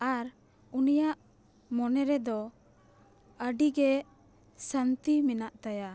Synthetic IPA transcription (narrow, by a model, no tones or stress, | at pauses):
aɾ | unijaʔ | mɔnɛɾɛd̪ɔ | əɖiɡɛ | sant̪iminaʔt̪aja